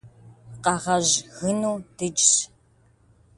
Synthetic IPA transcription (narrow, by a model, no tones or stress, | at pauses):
qɑʁɐʑɣɨnuːd̥ɨt͡ʃʼɕ